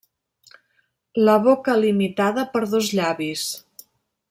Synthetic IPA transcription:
ləβokəlimit̪aðəpəɾðozʎaβis

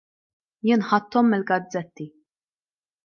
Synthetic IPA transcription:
jɪnħɐt̪ːɔmːɪlɡɐd͡zːɛt̪ːi

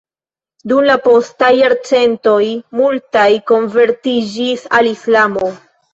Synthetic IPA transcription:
dumlapo̞stajːaɾt͡se̞nto̞jmultajko̞nve̞ɾtid͡ʒisalislamo̞

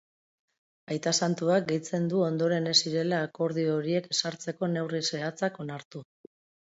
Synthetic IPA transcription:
ajt̪asant̪uak̚ɡe̞jt͡se̞nd̪uo̞nd̪o̞ɾe̞ne̞siɾe̞laːko̞ɾð̞io̞ɾie̞ksaɾt͡se̞ko̞ne̞wrise̞at͡sako̞naɾt̪u

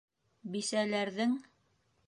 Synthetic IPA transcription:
bisælæɾðɘŋ

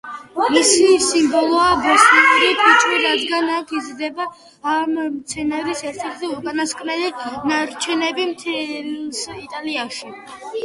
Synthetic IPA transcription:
misisimbɔlˠɔabusliuɾipʰit͡ʃʰʼwiɾad̪ɡanakʰizɾd̪ɛbaː | mt̪sʰɛnaɾisɛɾt̪ʰɛɾt̪ʰiukʼanaskʼnɛlinaɾt͡ʃʰɛnɛbimt̪ʰsit̪ʼaliaʃi

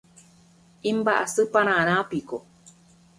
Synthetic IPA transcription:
imbaʔa̰sɨpañaːnapiko

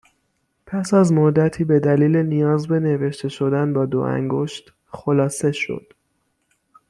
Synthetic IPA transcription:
pʰæsæzmod̪æt̪ʰiːbe̞d̪æliːlenijɒːzbe̞ne̞ve̞ʃt̪ʰe̞ʃo̞d̪ænbɒːd̪o̰ʔæ̰ŋɡoʃt̪ | xolɒːse̞ʃo̰d̪̥

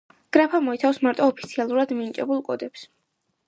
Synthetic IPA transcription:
ɡ̥ɾapʰamɔit̪sʰafsmaɾt̪ʼɔːpʰit̪sʰialˠuɾad̪mint͡ʃʼɛbulˠkʼɔd̪ɛps

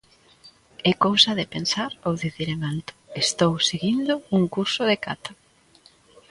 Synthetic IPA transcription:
ɛkowsaðɪpensaɾowðiθiɾeŋalt̪ʊ̥est̪owseɣind̪ʊuŋkuɾsʊðeka̰t̪ḁ

